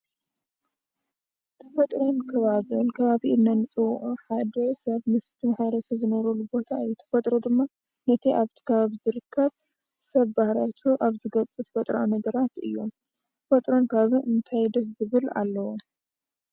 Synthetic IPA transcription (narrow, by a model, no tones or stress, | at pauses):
t̪ʰɐfɐt̪ʼɾonkʰɐβaβɨnkʰɐβaβiʔɨnːɐnɨt͡sʼɨwʔuħad̪ɐsɐβmɨst̪ʰimhajɾɐsɐβzɨnɐɾolubo̞t̪ʰaɨjːut̪ʰɐ̥fɐt̪ʼɾod̪ɨmːa | nɐt̪ʰiʔaβt̪ʰi̥kʰɐβaβzɨɾɨkʰːɐβ | sɐβbahɾat̪ʰuʔaβzɨɡɐt͡sʼɨt̪ʰfɐt̪ʼɾɐ̰ʔonɐɡɐɾat̪ɨ̰jːo̞m | t̪ʰɐfɐt̪ʼɾo̞nkʰaβɨʔɨnt̪ʰajd̪ɐszɨβɨla̰lːɐwom